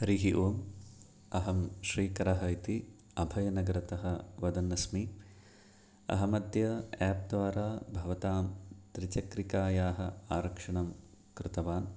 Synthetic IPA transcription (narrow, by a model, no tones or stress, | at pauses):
hɾiːɦiʔoːm | ɐɦɐmʃɾiːkɐɾɐɦɐjt̪i | ɐbʱɐjɐnɐɡɐɾɐt̪ɐɦɐʋɐd̪ɐnːɐsmi | ɐ̰ɦɐmɐd̪jɐɛːp̚d̪ʋaːɾaːbʱɐʋɐt̪aːmt̪ɾɪt͡ʃɐkɾikaːjaːɦɐ̰aːɾɐkʂɐɳɐm | kɾɪt̪ɐʋaːn